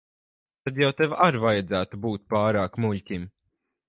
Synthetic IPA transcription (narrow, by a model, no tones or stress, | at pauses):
t̪ad̪jawt̪evaɾvajad̪zæːt̪ubuːt̪̚pɑːɾaːkmuʎʲcʲim